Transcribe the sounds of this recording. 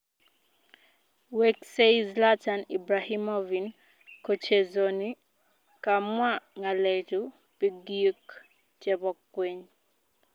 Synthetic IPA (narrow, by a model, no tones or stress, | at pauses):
wekseizlatanibɾahimɔvin | kot͡ʃezoni | kamwaŋalɛtu | piɡiuk | t͡ʃjɛbɔkːweɲ